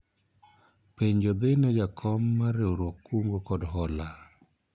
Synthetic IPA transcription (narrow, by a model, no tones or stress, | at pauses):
peɲd͡ʒod̪ɪnɛd͡ʒakʰɔmːaɾeoɾokːuŋɡokɔdɦɔla